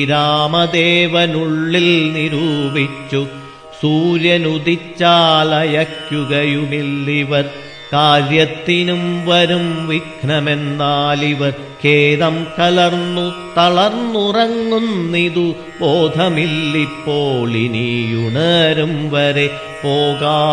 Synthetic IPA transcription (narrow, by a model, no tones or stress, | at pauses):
iɾaːmɐd̪eːʋɐnuɭːilniɾuːbʱit͡ɕːu | suːɾjɐnud̪it͡ɕːaːlɐjɐkjuɣɐjumilːiʋɐr | kaːɾjɐt̪ːinumʋɐɾumʋikʰɳɐmend̪aːliʋɐr | keːðɐmkɐlɐrnːut̪ɐɭɐrnːurɐŋːunːiðu | boːd̪ʱɐmilːipːoːɭḭnijuɳɐɾumʋɐɾe | poːɣaː